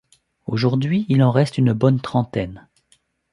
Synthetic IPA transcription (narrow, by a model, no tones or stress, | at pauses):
oʒuʁd̪ɥiilɑ̃ʁɛst̪ynbɔnt̪χɑ̃t̪ɛn